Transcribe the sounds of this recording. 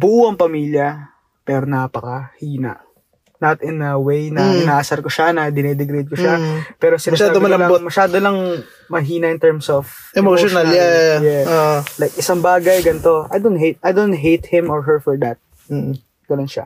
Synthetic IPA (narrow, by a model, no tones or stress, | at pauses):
buʔuɐŋpɐmiːljɐ | pɛːɾonapɐkɐhiːnɐ̰ | nɐt̪ɪnɐwejnɐɪnaːsɐɾkoʃanɐd̪ɪnɛd̪ɛɡɾid̪̚koʃapɛːɾosɪnʃaːoɐɐmomɐʃaːd̪olɐŋ | mɐɦiːnɐʔɪnt̪ɛɹmsɔf | ʔɛmoʃonɐlajɛolajk̚ʔɪsɐŋbaːɡɐjɡɐnt̪o̞ʔɐ̰jd̪ont̪̚hejt̪̚ɐjd̪ont̪̚ɦejt̪̚hɪ̃mɔɹɦɛɹfɔɹd̪ɐt̪̩̚ː | ɡ̥ɐnonʃa̰